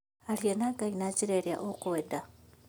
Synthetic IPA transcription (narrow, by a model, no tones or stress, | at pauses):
alijenaɡainaciɾeɾja̰ʔokuweda